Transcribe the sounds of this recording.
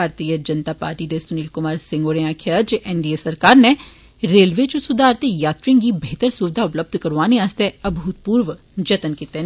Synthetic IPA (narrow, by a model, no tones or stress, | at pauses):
aːɾt̪iːəd͡ʒənt̪aːpa̰ːɾʈiːd̪esʊniːlkʊmaːɾsɪ̃ŋɡoːɾẽaːkʰəd͡ʒʔɛːnɖiːesəɾkaːɾne | ɾeːlʋet͡ʃũsʊd̪aːɾt̪ejaːt̪ɾɪ̃ŋɡibʱeːt̪əɾsuːʋɪd̪ʱaʊpləb̚d̪ʱkəɾʋaːneaːst̪eəbʱuːt̪̚puːɾʋ | d͡ʒət̪ənkit̪e